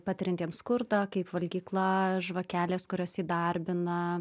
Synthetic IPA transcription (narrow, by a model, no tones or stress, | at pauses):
pɑːt̪ʲɪɾʲɪnʲt̪ʲiːɛmskʊɾd̪ɑːkɐɪpʋɐlʲɡʲiːklˠɐʒʋɐkʲæːlʲeːskʊɾʲoːsiːd̪ɐrʲbʲɪnɐ